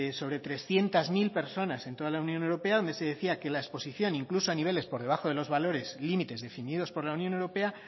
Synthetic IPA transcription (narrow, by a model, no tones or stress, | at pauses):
so̞β̞ɾe̞t̪ɾe̞sθje̞nt̪azmilpe̞ɾso̞nasent̪o̞ðalaunjonewɾo̞pe̞aðo̞nd̪e̞se̞ðeθiake̞laespo̞siθjo̞niŋklusoaniβe̞le̞spo̞ɾð̞e̞β̞axo̞ðe̞lo̞zβalo̞ɾe̞zlimit̪e̞zðe̞finiðo̞spo̞ɾlaunjonewɾo̞pe̞a